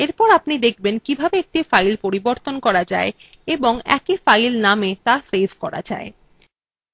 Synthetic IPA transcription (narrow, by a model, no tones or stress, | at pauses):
eɾpɔɾapnid̪ek̚ʰbenkibʱabeek̚ʈifajlpoɾiboɾt̪onkɔɾad͡ʑa̰e | eboŋɛ̰kifajlnamet̪asebʱkɔɾa̰d͡ʑa̰e